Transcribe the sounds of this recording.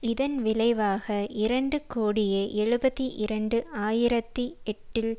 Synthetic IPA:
ɪðɐnʋɪlɐɪʋaːɣɐɪɾɐɳɖɯkoːɽɪjɐʔɛɻɯbɐt̪ːiʔɪɾɐɳɖɯʔaːjɪɾɐt̪ːiɛʈːɪl

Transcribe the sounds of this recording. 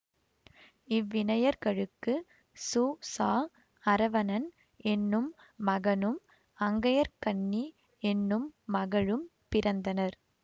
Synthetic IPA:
ɪʋːɪnɐjɐɾɣɐɻɯkːɯ | suːsaː | ɐɾɐʋɐnɐn | ʔɛnːɯmː | ɐɣɐnɯm | ɐŋɡɐjɐɾkɐɳːi | ɛnːɯmːɐɣɐɻɯmpɪɾɐnd̪ɐnɐɾ

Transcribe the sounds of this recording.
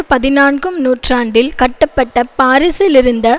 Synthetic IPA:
ɯpɐðɪnaːnɡɯmnuːʈraːɳɖɪlkɐʈːɐpːɐʈːɐpaːɾɪsɪlɪɾɯnd̪ɐ

